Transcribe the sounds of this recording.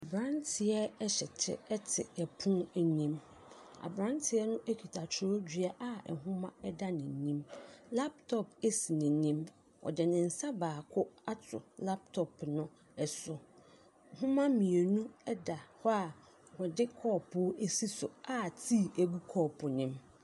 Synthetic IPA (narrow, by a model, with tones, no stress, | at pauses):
a˨bɾã˦ntʰɪ˨ɛ˦ɛ˦ɕɛ˨tʰɪ̰˦ɛ˦tʰɪ̰˨ɛ˨pʰʊ̃˦æ˨ɲĩ˦m | a̰˨bɾã˦ntʰɪ˨ɛ˦nʊ̃˦ʔæ˦kʰᶣi˨tʰa˨t͡ɕʰɪ˨˦o˦d͡ʑᶣɥa˦ʔa˦ɛ̰˨ɦʊ̃˦mã˦ɛ˦da˦nɪ̃˨ɲĩ˦mla˦p̚tʰɔ˨pe˦si˨nɪ̃˨ɲĩ˦m | wʔɔ̰˨dɪ˨nɪ̃˨n̩˨sa˦baː˨kʰʊ˦a˦tʰʊ̰˨la˦p̚tʰɔ˨pnʊ̃˦ | ɛ˨sʊ˨ | hʊ̃˦mã˦mĩ˨e˨nũ˦ɛ˦da˨hɔ˦a˨ | wɔ˨dɪ˦kʰɔː˦˨pʰʊ˦e˦si˦sʊ˨a˦tʰi˦˨æ˨ɡu˦kʰɔ˦˨pʰʊ˨nɪ̃˦m